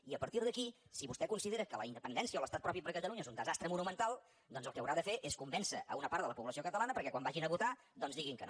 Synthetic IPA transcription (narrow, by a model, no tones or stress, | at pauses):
iəpəɾt̪iɾð̞əkisiβust̪ɛkunsiðeɾəkələ̰ind̪əpənd̪ɛnsiəoləst̪at̪pɾɔpipəɾkət̪əluɲəezund̪əzast̪ɾəmunumənt̪alˠ | d̪ɔnzəlˠkɛəwɾaðəfeʔeskumbɛnsəʔə̰unəpaɾt̪ələpuβləsiokət̪əlanəpəɾkɛkwambaʒinəβut̪a | d̪ɔnzðiɣiŋkə̰n